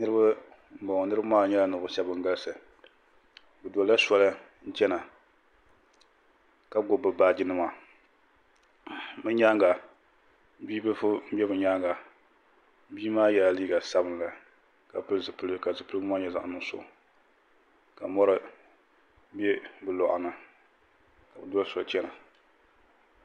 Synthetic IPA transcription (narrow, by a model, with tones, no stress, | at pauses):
nɨ˦ɾɨ˦ba˦ | m̩˦ba˨ŋ˨nɨ˦ɾɨ˦ba˦maː˦˨ɲɛ˦la˨nɨ˨ʊ˨ʃɛ˦bɨ˨ŋ˦ɡa˦lsɨ˨ | bɨ˨da˨˦a˦sɔ˦lɨ˦ | n̩˦t͡ʃɛ˦na˨ | ka˨˦ɡo˦bɨ˨baː˦d͡ʒi˦nɨ˦ma˨ | mɨ˦ɲa˦ŋɡa˨ | biː˦bɨ˦fʊ˦m̩˦bɛ˦bɨ˨ɲaː˦ŋɡa˨ | biː˦maː˦ja˦˨liː˦ɡa˨sa˦bɨ˨˦nla˨ | ka˨pɨ˦ɨ˦zɨ˨pɨ˦lɨ˦ka˨zɨ˨pɨ˦lɨ˦ma˦ɲɛ˨za˦˨ʔnɨ˦ŋ˦sʊ̰˨ʔ | ka˨mɔ˦ɾɨ˦ | bɛ˦bɨ˨lɔ˨ʔʊ̰˨nɨ˨ | ka˨bɨ˨dɔ˦lsɔ˨lt͡ʃɛ˦na˨